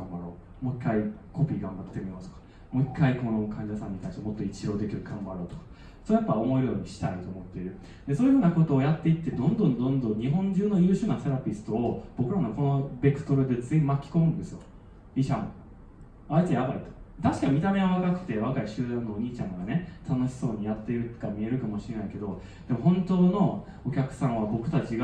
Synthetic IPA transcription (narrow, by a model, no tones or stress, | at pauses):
ɡãmbaɾo̞̰ː | mo̞ikːaiko̞pʲiːɡãmbat̪t̪e̞mʲimasɨ̥kḁ | moikʰːaiko̞no̞kʰãɲ̟d͡ʑasãɲːit̪aĩɕt̪emo̞t̪ːo̞it͡ɕiɾo̞ːd̪e̞kʲiɾɯ̟ɡ̥ãmbaɾo̞ːt̪o̥kḁ | soːjapːao̞mo̞iɾɯ̟jo̞ːɲ̟iɕi̥t̪ait̪o̞ːmo̞t̪ːeɾɯ̟ | d̪e̞soːjɯɯːnako̞t̪o̞ːjat̪ːe̞it̪ːe̞d̪õ̞nd̪õ̞nd̪õ̞nd̪õ̞ɲɲ̟iɦõ̞ɲ̟d͡ʑɨːno̞jɯːɕɨːnase̞ɾapʲisɨ̥t̪oːb̥o̞kɯ̟ɾanoko̞no̞be̞kɯ̟̥t̪o̞ɾɯ̟d̪e̞d͡zẽmmːakʲːi̥komɯ̟̃nd̪e̞sɨjo | iɕãmo̰ | ait͡sejabait̪o̥t̪aɕi̥kamʲit̪ame̞ɡaβakakɯ̥t̪e̞β̞akaiɕɨːd̪ãnːoːɲ̟iːt͡ɕãŋɡane̞t̪ʰano̞ɕi̥so̞ːɲ̟ijat̪ːe̞iɾɯ̟t̪kamʲie̞ɾɯ̟kamo̞ɕiɾe̞naike̞d̪o̞ | d̪̥e̞mo̞ɦõnt̪o̞ːno̞ | okʲakɯ̟̥sãɰ̃βabo̞kɯ̟̥t̪at͡ɕiɡa